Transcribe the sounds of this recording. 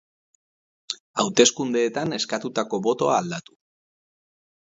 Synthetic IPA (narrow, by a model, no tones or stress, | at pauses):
awt̪e̞skund̪e̞ːt̪ane̞skat̪ut̪ako̞βo̞t̪o̞aːld̪at̪u̥